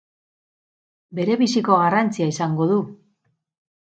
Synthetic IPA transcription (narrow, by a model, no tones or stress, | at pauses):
be̞ɾe̞βisiko̞ɣ̞arant͡siaisaŋɡo̞ðu